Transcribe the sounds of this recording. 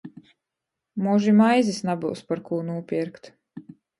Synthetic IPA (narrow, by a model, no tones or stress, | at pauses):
muʒimajzisnabṵwspaɾkuːnuːpʲiɛɾkt̪